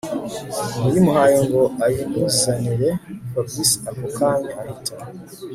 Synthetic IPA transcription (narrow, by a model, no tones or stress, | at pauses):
mujimuɦajiŋɡoajiŋɡuzizaniɾepablisakokaɲeahitʰa